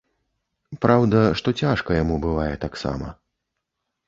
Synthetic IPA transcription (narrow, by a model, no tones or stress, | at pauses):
pɾawd̪ɐʂt̪ɔt͡sʲaʂkɐjamubɨvajɛt̪aksa̰mɐ̰